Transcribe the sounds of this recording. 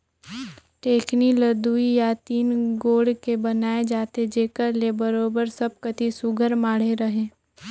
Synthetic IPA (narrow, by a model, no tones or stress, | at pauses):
ʈeːkniləd̪uijat̪iːnɡoːɽkebɐnaːed͡ʒaːt̪ed͡ʒeːkəɾlebəɾoːbəɾsəb̚kɐt̪isʊɡʱəɾmaːɽ̤eɾɐɦẽː